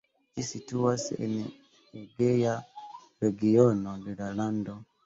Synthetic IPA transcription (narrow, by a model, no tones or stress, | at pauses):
cisituasḛn | eɡeja | ɾeɡiɔnodelalando